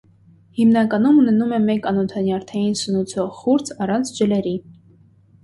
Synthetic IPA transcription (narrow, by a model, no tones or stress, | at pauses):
himnɑkɑnumunɛnumɛmɛkɑnɔt̪ʰɑnjɑɾt̪ʰɑjinsənut͡sʰɔʁχuɾt͡sʰɑrɑnt͡sʰd͡ʒəlɛɾi